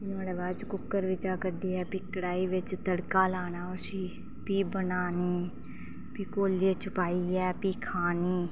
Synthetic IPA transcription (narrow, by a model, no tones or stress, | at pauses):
ɪnoːɽeːʋaːd͡ʒkʊkːəɾʋɪt͡ʃaːkəɖiːɛːpɪkːɽaːiːʋɪt͡ʃt̪əɽkaːlaːnaːʊsiː | piːbənaːniː | piːkoːljeːt͡ʃʊpaːiːɛːpiːkʰaːniː